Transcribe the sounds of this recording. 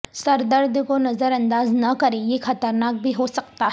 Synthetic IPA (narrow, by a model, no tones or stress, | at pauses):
sɐɾd̪əɾd̪ʱkonɐzəɾɐ̃nd̪aːznɐkɐɾejexɐt̪əɾnaːk̚bʱiɦosɐk̚t̪a